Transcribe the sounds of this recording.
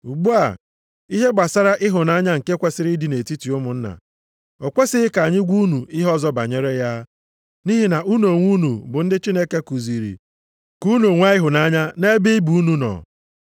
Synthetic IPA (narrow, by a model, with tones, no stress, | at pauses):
u˨ɡ͡bu˦a˨ | i˦ɦe˦ɡ͡ba˨sa˦ɾa˦ʔɪ˦ɦʊ˨na˦ɲa˦ŋ̩˨ke˦kʷe˦sɪ˦ɾi˦di˨ne˨ti˦ti˨ʊ˦mʊ˨n̩˦na̰˨ | o˨kʷe˦sɪ˦ɪ˦ka˨ɲɪ˦ɡʷu˦nu˨ɪ˦ɦɔ˦zɔ˦ba̰˨ɲe˦ɾe˦ja˦ | ni˦ɦi˦na˨ʔu˦no˨ŋʷu˦nu˨bʊ˨n̩˦dɪ˦t͡ʃi˦ne˦ke˦ku˨zi˨ɾḭ˨ | ku˦no˨ŋʷa˦ɪ˦ɦʊ˨na˦ɲa˦ne˦bi˦bu˨˦nu˦nɔ̰˨